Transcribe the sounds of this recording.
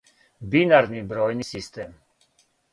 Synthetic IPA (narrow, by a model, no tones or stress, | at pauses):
binaɾnibɾɔjnisist̪ʰɛm